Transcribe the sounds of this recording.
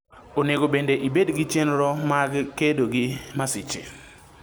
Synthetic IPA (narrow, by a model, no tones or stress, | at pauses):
oneɡobendeʔibedɡit͡ʃenɾɔmaɡkedoɡɪmasɪt͡ʃɪ̰